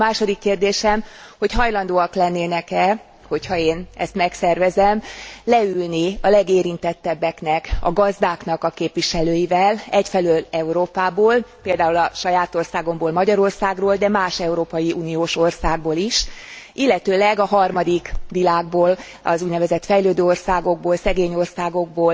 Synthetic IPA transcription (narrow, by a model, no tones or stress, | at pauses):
maːʃo̞d̪ikːeːrd̪eːʃɛmho̞chɒjlɒnd̪oːɒklɛnːeːnɛkɛ | ho̞chɒeːnɛ̰st̪mɛksɛrvɛzɛmlɛylniɒlɛɡeːɾint̪ɛt̪ːɛbːɛkn̪ɛkɒ̰ɡɒzd̪aːkn̪ɒkɒkeːpʋiʃɛløːjivɛlɛcfɛlølɛuɾoːpaːboːlpeːld̪aːulɒʃɒjaːt̪o̞rsaːɡo̞mboːlmɒɟɒɾo̞rsaːɡroːld̪ɛmaːʃɛuɾoːpɒjiuːnioːʃo̞rsaːɡ̚boːliʃʔilːɛt̪øːlɛɡɒɦɒrmɒd̪ikʋilaːɡ̚boːl | ɒ̰zuːɟnɛvɛzɛt̪fɛjløːd̪øːorsaːɡo̞ɡ̚boːlsɛɡeːɲo̞rsaːɡo̞ɡ̚boːl